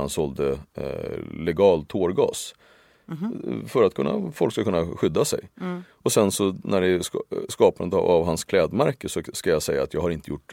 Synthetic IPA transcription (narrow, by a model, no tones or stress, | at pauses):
ansɔld̪ə | lɛɡɑːlt̪ʰːoːɾɡɑ̰ːs | fœɾat̪̚kʰɵnːa̰fɔlkskakɵnːaɧʏd̪ːasɛ̰j | ɔsɛnsɔnæɖɛskɑːpand̪ə̰a̰vɦanskʰlɛːd̪mæɾkəʂɔskajasɛjːaːt̪jɑːɡhaɾɪnt̪əjʊʈː